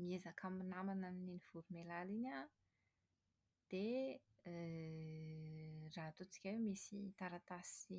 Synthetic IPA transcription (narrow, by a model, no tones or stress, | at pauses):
miezakʰaminamananniniv̥uɾumelalinʲa | d̪̥e | raɦt̪ot͡si̥kʲawemisit̪aɾat̪asi